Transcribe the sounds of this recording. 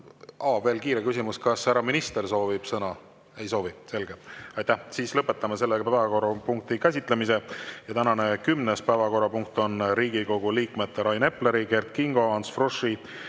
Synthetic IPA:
ʔɑːve̞ːlkiːɾekysimuskɑsæɾɑminist̪e̞rso̞ːvib̥sɤnɑ | e̞jso̞ːvise̞lɡ̥eɑjt̪ːæhsiːslɤpːˑe̞t̪ːˑɑmɑse̞lːepævɑko̞rːɑpuŋk̚t̪ikæs̬ʲit̪ˑlemise̞jɑt̪ænɑne̞kymnespæːvɑko̞ɾɑpuŋk̚t̪o̞nɾiːɡiko̞ɡ̥uliːkmet̪ːeɾɑjne̞pːle̞ɾike̞rt̪̚kiŋɡ̥o̞ɑnsfroʂːi

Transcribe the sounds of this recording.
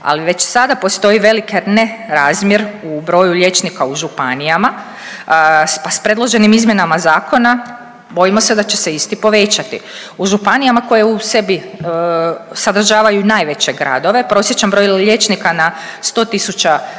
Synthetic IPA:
a̰liʋe̞t͡ɕsad̪apo̞st̪o̞iʋe̞likeneɾaːzmje̞ɾubɾo̞juʎʲe̞t͡ʃnikauʒupanijama | paspɾe̞dlˠo̞ʒe̞nimizmjenamazaːko̞na | bo̞jimo̞se̞d̪at͡ɕese̞ist̪ipo̞ʋe̞t͡ʃat̪ḭ | uʒupanijamako̞jeuse̞bi | sad̪r̩ʒaːʋajunajʋe̞t͡ɕe̞ɡɾa̰d̪o̞ʋe̞pɾo̞sje̞t͡ɕt͡ʃambɾo̞jle̞t͡ʃnikanast̪o̞ːt̪isut͡ʃa

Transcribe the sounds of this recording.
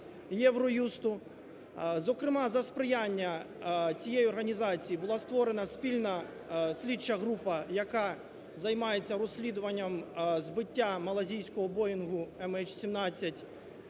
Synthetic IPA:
jɛʋɾɔjust̪ʊ | zɔkɾɪmɑzɐspɾɪjanʲːɐ | t͡sʲijejiɔrɦɐnʲizɑt͡sʲijibʊlˠɑst̪ʋɔɾenɐspʲilʲnɐ | sʲlʲit͡ʃːɐɦɾupɐjɐkɑ | zɐjmɑjet͡sʲːɐɾɔsʲlʲid̪ʊʋɐnʲːɐmzbɪtʲːamɐlˠɐzʲijsʲkɔɦɔbɔjʊnɦʊɛmɛt͡ʃsʲimnɑt͡sʲːɐtʲ

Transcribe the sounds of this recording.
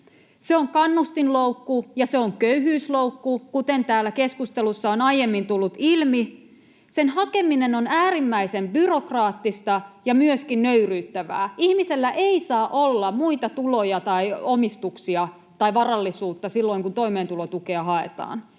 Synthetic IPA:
seoŋkɑnːust̪inloukːujɑseoŋkøyhyːsloukːukut̪ent̪æːlːækeskust̪elusːɑonɑijemːint̪ulːut̪ilmi | senhɑkeminenonæːrimːæisembyrokrɑːt̪ːist̪ɑjɑmyøskinnøyryːt̪ːæʋæ̰ːihmiselːæʔeisɑːʔolːɑmuit̪ɑt̪ulojɑt̪ɑiomist̪uksiɑ | t̪ɑiʋɑrɑlːisuːt̪ːɑsilːo̞iŋkunt̪oimeːnt̪ulot̪ukeɑhɑḛt̪ɑ̰ːn

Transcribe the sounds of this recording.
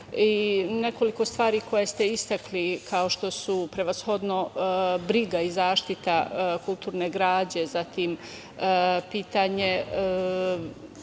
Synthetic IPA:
ine̞ko̞liko̞st̪ʋaːɾiːko̞jest̪e̞ist̪aklikʰao̞ʃt̪o̞supɾe̞ʋasxo̞d̪no̞bɾiɡaizaːʃt̪it̪akulˠt̪uːɾneːɡɾaːd͡ʑe̞zat̪iːm | piːt̪aɲe

